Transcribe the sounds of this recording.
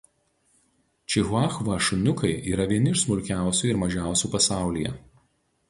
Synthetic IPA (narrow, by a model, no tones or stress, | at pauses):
t͡ʃʲɪɣʊɑːxʋɐʃʊnʲʊkɐɪʔiːɾɐʋʲiɛnʲɪʃsmʊɾʲkʲæˑʊsʲuˑɪɾmɐʒʲæˑʊsʲuːpɐsɑˑʊlʲijɛ̰